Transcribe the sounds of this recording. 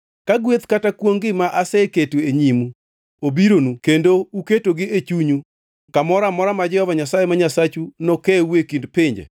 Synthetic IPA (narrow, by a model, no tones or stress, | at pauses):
kaɡwet̪katakwoŋɡɪmaʔasɛketueɲimu | obiɾonukendouketoɡɪet͡ʃuɲu | kamɔɾamɔɾamad͡ʒɛhɔvaɲasajemaɲasat͡ʃunɔkɛwekindpɪɲd͡ʒḛ